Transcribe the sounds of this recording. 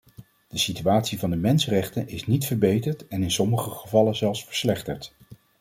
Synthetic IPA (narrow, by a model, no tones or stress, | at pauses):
d̥əsityaːtsivɑndəmɛnsərɛχtənɪsnitfəɹbejtəɹtɛnɪnsɔməχəχəvɑləzɛlˠsfə̥ɹslɛχtə̰ɹt